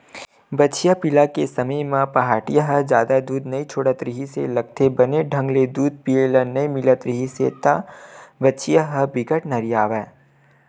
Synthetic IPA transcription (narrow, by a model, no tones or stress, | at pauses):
bɐtːʃijapɪlakesɐməjmãpɐɦaːʈijaɦəd͡ʒjaːd̪ad̪uːd̪nɐit͡ʃʰoːɽat̪ɾɪɦisḛlɐɡ̚t̪ʰebɐneɖʱə̃ŋɡled̪uːd̪̚pielənɐimɪlət̪ɾɪɦiset̪abɐtːʃijaɦəbɪɡəʈnɐɾijaːʋɛː